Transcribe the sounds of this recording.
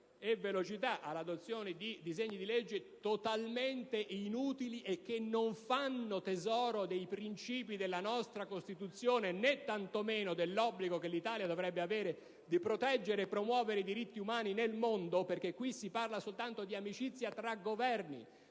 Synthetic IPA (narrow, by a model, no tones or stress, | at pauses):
evelot͡ʃit̪aʔalːad̪ot̪sːjoːned̪id̪izeɲːid̪iled͡ʒːet̪ot̪alment̪eʔinuːt̪iliʔek̟ːenːoɱfanːot̪ezɔːɾod̪ejpɾint͡ʃiːpid̪elːanɔst̪ɾakost̪it̪ut̪sːjoːnenɛt̪ːant̪omeːnod̪elːɔbːliɡokelːit̪aːljad̪ovɾɛbːeaveːɾe | d̪ipɾot̪ɛd͡ʒːeɾeːpːɾomwɔːveɾeid̪iɾit̪ːiumaːninelmond̪operk̟ekːwisiparlasolt̪ant̪od̪iamit͡ʃit̪sːjat̪ɾaɡːovɛrnḭ